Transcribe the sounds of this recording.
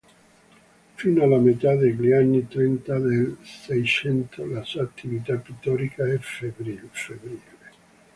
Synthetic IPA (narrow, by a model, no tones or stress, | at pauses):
finoalamet̪ad̪eʎanːit̪ɾɛnt̪ad̪elsɛjt͡ʃɛnt̪ʰolasuaːt̪ʰːivit̪apːit̪ːɔɾikʰaɛfebɾilfebɾiːle